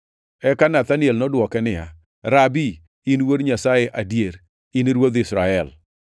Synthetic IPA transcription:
ɛkanat̪anielnɔdwɔkɛnɪja̰ | ɾabi | inwodɲasajeʔadjeɾ | inɾwod̪ɪsɾaɛl

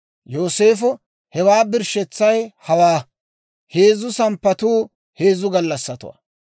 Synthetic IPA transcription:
joːse̞ːfʊ | hɛwaːbɪɾʃɛt͡sːɐjhɐwaː | heːzʊsɐmpːɐt̪uː | heːzʊɡɐlːɐsːɐt̪ʊ̰wɐ̰

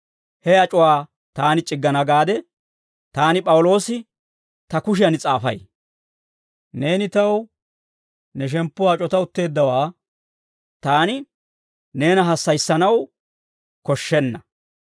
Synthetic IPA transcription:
hɛɐt͡ʃʼʊwaː | t̪aːnɪt͡ʃʼɪɡːɐnɐɡaːd̪ɛ | t̪aːnɪpʼɐwʊlo̞ːsɪ | t̪ɐkʊʃɪjɐnɪt͡sʼaːfɐ̰j | ne̞ːnɪt̪ɐw | nɛʃ̬ɛmpːʊwaːt͡ʃʼɔt̪ɐʊt̪ːe̞ːd̪ːɐwaː | t̪aːnɪ | ne̞ːnɐɦɐsːɐjsːɐnɐw | kɔʃːɛnːɐ

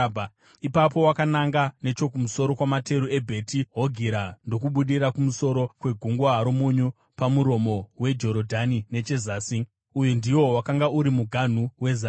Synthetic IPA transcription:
bʱ | ipapo̞wakanaŋɡane̞t͡ʃo̞kumuso̞ɾo̞kwamate̞ɾue̞bʱe̞tiɦo̞ɡʱiɾando̞kuɓuɗiɾakumuso̞ɾo̞kwe̞ɡʱuŋɡwaɦaɾomuɲu | pamuɾo̞mo̞we̞d͡ʒo̞ɾodʱanine̞t͡ʃe̞zaːsi | ujundiwo̞wakaŋɡauɾimuɡʱan̤uwe̞za

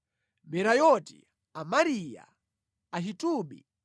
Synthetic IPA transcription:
mɛɾajɔtḭ | amaɾija̰ | aɦituːɓḭ

